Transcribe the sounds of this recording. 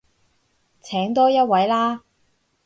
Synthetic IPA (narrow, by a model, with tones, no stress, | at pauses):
t͡sʰɛː˨˥ŋt̪ɔː˥jɐ˥t̚wɐ˨˥jlaː˥